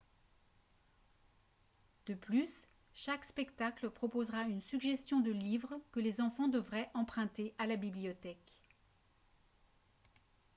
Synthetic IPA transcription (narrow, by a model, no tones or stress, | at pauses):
d̪̥əplys | ʃakspɛkt̪akləpχɔpozʁaynsyɡʒɛst̪jɔ̃d̪əlivʁkəlezɑ̃fɑ̃d̪əvʁɛʔɑ̃pχɛ̃t̪eʔalabiblijɔt̪ɛk